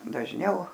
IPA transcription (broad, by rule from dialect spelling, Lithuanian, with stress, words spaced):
dɐʒʲˈnʲɛʊ